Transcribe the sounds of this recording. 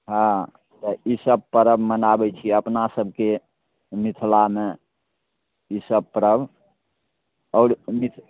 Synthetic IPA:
ɦã | t̪ɔisəb̚pəɾəbmənabɛt͡ʃʰiəpnasəbʱke | mit̪ʰlame | isəb̚pəɾəb | ɔːɾmit̪ʰ

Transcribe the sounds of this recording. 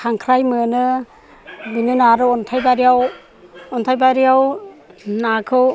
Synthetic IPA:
kʰaŋkʰɾajmɯnɯ | binɯnaɾɯɔntʰajbaɾiaw | ɔntʰajbaɾiaw | nakʰɯw

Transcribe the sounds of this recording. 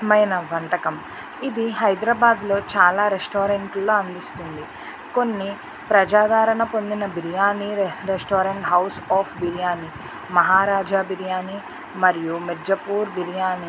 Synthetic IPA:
mɐjnɐʋɐnt̪ɐkɐm | id̪iɦɐjd̪ɾɐbaːd̪lo̞ːt͡ʃaːlaːɾesʈoːɾeɳʈlːo̞ːɐnd̪ist̪und̪i | ko̞nːi | pɾɐd͡ʒaːd̪aːɾɐɳɐpo̞nd̪inɐbiɾjaːniɾesʈoːɾeɳʈɦɐwsaːpʰbiɾjaːni | mɐɦaːɾaːd͡ʒaːbiɾjaːni | mɐɾijumeɾd͡ʒɐpuːɾbiɾjaːni

